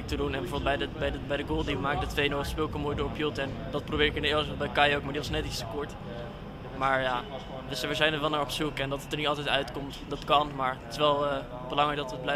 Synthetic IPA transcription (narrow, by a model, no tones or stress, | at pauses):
k̚tədunɛnbɛvoɹbɪlˠdbɛjdəbɛjdəbɛjdəɡoːlˠdimaːkk̚ɡdətʋejnospɪlˠkəmoːjdoːɹpjølˠtɛndɑt̚probɪːɹɪkɪnɪːɹləɔbɛjkɑjowkmaɹdiʋɑsnɛtɪstəkɔɹt | maːɹjaː | əsʋəzɛjnətʋɛlˠnaːɹɔpsukɛndɑtətəɹnitɑlˠtɛjtœɥtkomtdɑtkɑnmaːɹətɪ̥sʋɛlˠə | b̥əlɑŋrɛjk̚dɑtʋəblɛ